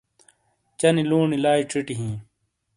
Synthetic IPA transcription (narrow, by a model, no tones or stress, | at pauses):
t͡ɕɐniluːɳilaːiʈ͡ʂʰiʈiɦĩː